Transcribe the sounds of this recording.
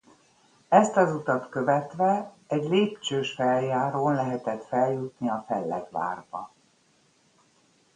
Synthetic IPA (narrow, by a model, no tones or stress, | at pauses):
ɛst̪ɒzut̪ɒt̪køvɛt̪ʋɛ | ɛɟleːpt͡ʃøːʃfɛljaːɾoːnlɛɦɛt̪ɛt̪fɛljut̪niɒfɛlːɛ̰d̪ʋa̰ːrbɒ̰